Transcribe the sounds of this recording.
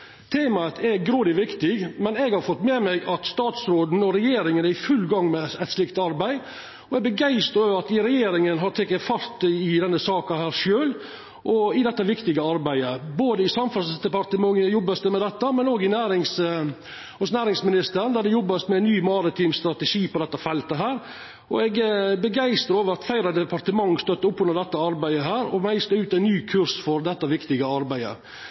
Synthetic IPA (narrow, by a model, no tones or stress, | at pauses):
t̪ʰeːmɑət̪ʰɛɡɾoːd̪ɪʋɪkt̪ɪɡmɛnɛɡhɑɾfɔt̪ːmɛmɛɡɑt̪st̪ɑːt̪sɾoːd̪n̩ɔɾɛjeːɾɪŋənæɾɪfʉlːɡɑŋːmɛɛt̪slɪkt̪ɑɾbæɪ | ɔɛɡ̚bəɡæɪst̪əɾɾɑt̪ɪɾɛjeːɾɪŋənɦɑɾt̪ʰɛkːəfɑɾt̪ɪd̪ɛnːəsɑːkɑhæːɾʂøːl | ʔɔɪd̪ɛt̪ːəʋɪkt̪ɪɡəɑɾbæɪəboːd̪əɪsɑmfɑsd̪ɛpɑɾt̪əmɑŋːəjɔbːəsd̪əmɛd̪ɛt̪ːəmɛnoːɡɪnæːɾɪŋs | ɔsnæːɾɪŋsmɪnɪst̪əɾnd̪æɖɛjɔbːɑsmɛæɪnyːmɑɾɪt̪ʰiːmst̪ɾɑt̪əʂiːpɔd̪ɛt̪ːəfɛlt̪əɦæːɾ | ʔɔ̰ɛɡbəɡæɪst̪ɾəɾoːʋəɾɑt̪fæɪɾɑd̪ɛpʰɑɾt̪əmɑŋst̪œt̪ːəʊpʰːhʉnːəɾɖ̪ɛt̪ːəɑɾbæɪəɦæːɾɔmæɪst̪əʉːt̪æɪnnyːkʰʉɾsfɔɾd̪ɛt̪ːəʋɪkt̪ɪɡəɑɾbæɪə̰